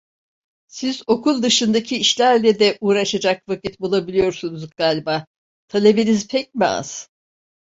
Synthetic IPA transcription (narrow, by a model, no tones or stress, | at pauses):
sizo̞kʰulˠd̪ɯʃɯnd̪acʰiiʃlʲæɾlʲɛd̪ɛʔuːɾaʃad͡ʒakvacit̪bulˠabilʲijo̞ɾsunuzɡaːlʲbaː | t̪ʰalʲebenizpʰɛc̚mia̰z̥